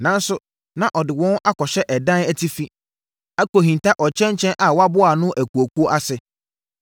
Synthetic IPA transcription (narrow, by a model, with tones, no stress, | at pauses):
nã˨n˦sʊ˦ | nã˨ʔɔ˨dɪ˨wɔ̃˦na˦kɔ˨ɕɛ˦ʔɛ˨dã˦næ˦tʰi˦fi˦ | a˦ko˨ɦĩ˨n˨tʰa˦ʔɔ˨t͡ɕʰɛ̃˦ɲ˦t͡ɕʰɛ̃˦nʔa˨wɔ˦a˦bʊ˦a˨nʊ̃˦ʔæ˨ku˨o˨kʰu˦o˦ʔa˦sɪ˨